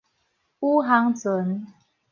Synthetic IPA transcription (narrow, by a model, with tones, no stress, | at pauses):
u˦ɦa˨˦ŋt͡sə˨˦n